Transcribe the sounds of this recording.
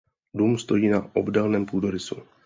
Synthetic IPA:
duːmst̪o̞jiːnaʔobdɛlnɛːmpuːdoɾɪsṵ

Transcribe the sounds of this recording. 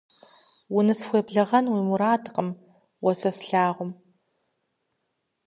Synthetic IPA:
wʊnɨsxʷeːbɮɨʁɐnwiːmuɾaːdqəm | wɔsɐsɬaːʁʷʊm

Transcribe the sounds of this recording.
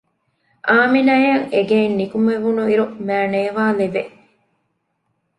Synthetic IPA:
ʔaːminɐjɐŋeɡeːnːikumeʋunuiɾumæːneːʋaːleʋe

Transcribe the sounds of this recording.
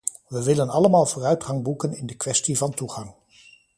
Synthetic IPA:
ʋəʋɪlənɑləmaːlˠvʊːrœɥtχɑŋbukənɪndəkʋɛstivɑntuχɑŋ

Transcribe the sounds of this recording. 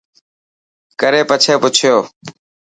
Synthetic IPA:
kəɾeːpət͡ʃʰeːpʊt͡ʃʰɪjoː

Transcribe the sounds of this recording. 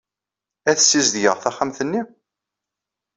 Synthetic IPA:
æθəsːizðjəʁθæχamθənːi

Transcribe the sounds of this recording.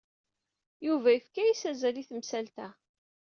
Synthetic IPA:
juvæəfkæjisæzæliθəmsælt̪æ

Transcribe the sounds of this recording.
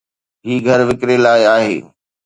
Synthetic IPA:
ɦiːɡʱɐɾʋɪkɾelaːɪaːɦḛː

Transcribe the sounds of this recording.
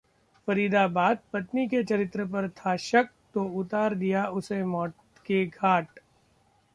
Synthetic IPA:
fɐɾiːd̪abaːd̪̚pɐt̪niket͡ʃɐɾɪt̪ɾəp̬ɐɾt̪ʰaʃɐk̚ | t̪oʊt̪aːɾd̪ijaʊsemɔːʈ | keɡʱaːʈ

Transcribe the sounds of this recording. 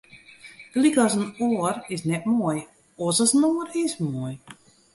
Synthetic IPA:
ɡlikɔsənoərɪsnɛtmuoəj | ɔsɔsənoərɪsmuəj

